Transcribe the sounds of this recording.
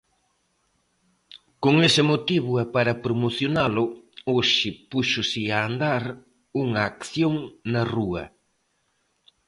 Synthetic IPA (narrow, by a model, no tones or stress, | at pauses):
koŋesɪmot̪iβʊɛpaɾɐpɾomoθjonalʊoʃɪpuʃʊsɪaːnd̪aɾ | uŋɐːkθjoŋnɐruɐ